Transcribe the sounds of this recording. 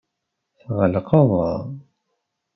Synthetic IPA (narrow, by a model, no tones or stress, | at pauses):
θʁəlqɑðˤɑ̰